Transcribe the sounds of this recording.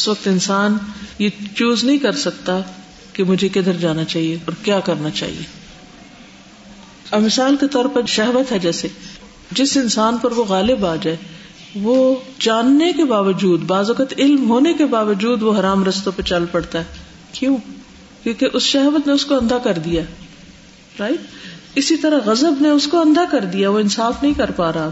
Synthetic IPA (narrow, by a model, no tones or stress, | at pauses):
ʊsʋɐk̚t̪ɪnsaːnjet͡ʃuːznɐɦĩkɐɾsɐk̚t̪a | kemʊd͡ʒʱeked̪əɾd͡ʒaːnat͡ʃaːɦieɔːɾkjaːkɐɾnat͡ʃa̰ːɦḭḛː | ɐbmɪsaːlket̪ɔːɾpɐɾʃɐɦʋət̪ɦɛd͡ʒɛːse | d͡ʒɪsɪnsaːnpɐɾʋoɣaːlɪbaːd͡ʒaːe | ʋoːd͡ʒaːnːekebaːʋəd͡ʒuːd̪baːzʋɐkət̪ɪlmɦoːnekebaːʋəd͡ʒuːd̪ʋoɦɐɾaːmɾɐst̪õpet͡ʃɐlpɐɽt̪aɦɛː | kjõː | kjõːkeʔʊsʃɛɦʋət̪neʊskoɐ̃nd̪ʱakɐɾd̪ija | ɾaːit̪ɪsit̪ɐɾaɣɐzəbneʊskoɐ̃nd̪ʱakɐɾd̪ijaʋoɪnsaːfnɐɦĩkɐɾpaːɾaɦa